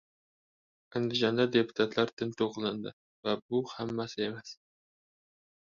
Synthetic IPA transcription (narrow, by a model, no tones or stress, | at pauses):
aŋd̪ɪʒɑnd̪ad̪e̞pʰu̥t̪ʰat̪laɾt̪ʰɪnt̪ʰoqlˠɑnd̪ɪ̰ | væbʊhamːæsɪemas